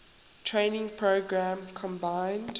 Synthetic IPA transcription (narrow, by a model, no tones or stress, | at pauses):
tʰɹẽɪnɪ̃ŋpʰɹoʊɡɹæ̃mkʰɔ̃mbãɪ̃nd